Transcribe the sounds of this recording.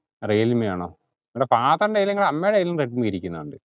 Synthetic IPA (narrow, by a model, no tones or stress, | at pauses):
rejːlimjaːɳo̞̰ː | nuɽepaːt̪ɐɳɖejlɐŋːɐɭɐmːeːɽejlmreʈ̚mɨkɐɾikʲːunːɐðuɳɖɨ